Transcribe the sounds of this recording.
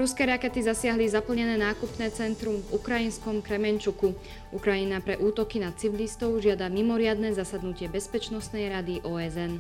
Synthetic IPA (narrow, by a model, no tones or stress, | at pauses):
ɾuskɛːɾakɛt̪izasɪaɦlizapl̩ɲɛnɛːnaːkupnɛːt͡sɛnt̪ɾumvukɾajinskɔmkɾɛmɛɲt͡ʃuku | ukɾajinapɾɛʔuːt̪ɔkinat̪t͡siʋilist̪ɔʊʒɪad̪amimɔɾɪad̪nɛːzasad̪nucɪɛbɛspɛt͡ʃnɔst̪nɛjɾad̪iʔɔːɛzɛn